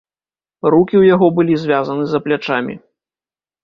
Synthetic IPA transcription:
rukʲiwjaɣɔbɨlʲizʲvʲazɐnɨzɐplʲat͡ʂamʲḭ

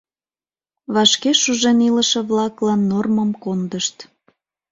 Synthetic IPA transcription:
βɑʃkeʃuʒeniləʃeβlɑklɑnːorməmkond̪əʃt̪

